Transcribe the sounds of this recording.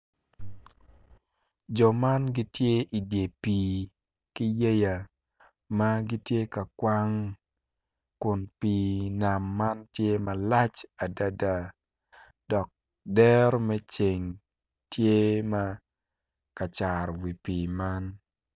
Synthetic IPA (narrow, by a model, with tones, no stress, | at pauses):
d͡ʒɔ˨ma˦nɡi˦tje˦ʔi˨dje˨pi˨ | ki˦je˦ja˨ | ma˦ɡi˦tje˦ka˨kwa˦ŋ | kʊ˨npi˨na˨mːa˦ntje˦ma˨la˦t͡ʃa˨da˨da˨ | d̥ɔ˨k̚ | dɛ˦ɾmɛ˦t͡ʃe˨ŋ | tje˦ma˦ | ka˨t͡ʃa˨ɾwi˨pi˨ma˦n